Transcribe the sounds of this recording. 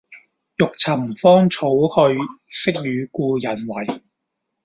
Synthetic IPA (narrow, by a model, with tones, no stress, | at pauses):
jʊ˨k̚t͡sʰɐ˨˩mfɔː˥ŋt͡sʰo˨˥whɵ˧ɥsɪ˥k̚jyː˨˧kuː˧jɐ˨˩nwɐ˨˩j